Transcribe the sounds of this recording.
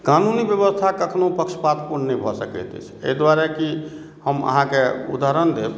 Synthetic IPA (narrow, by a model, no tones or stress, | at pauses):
kanunibjəβəst̪ʰakəkʰnopəkʃə̥pat̪puɾnnɛjbʱɔsəkɛ̰t̪ɛ̰t͡ʃʰḛid̪waɾɛki | həmə̰ɦãkeṵd̪aɾənd̪eb